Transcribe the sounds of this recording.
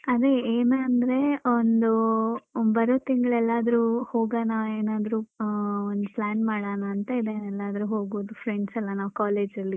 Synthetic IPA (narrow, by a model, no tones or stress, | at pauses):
ɐd̪eeːneɐnd̪ɐɾe̞ond̪u | bɐɾoːt̪iŋɡɐɭɛlːaːd̪ɐɾuho̞ːɡaːnaeːnaːd̪ɐɾuond̪uplaːnmaːɽaːnaːnt̪ɐid̪enɛlːaːd̪ɐɾuɦo̞ːɡoʋd̪upʰɾeɳɖsɐlːɐnaːʋkaːleːd͡ʒɐlːi